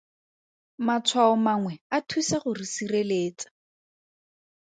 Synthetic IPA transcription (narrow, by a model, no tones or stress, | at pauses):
mat͡sʰwaɔmaŋwɛatʰusaχʊrisireleːt͡sḁ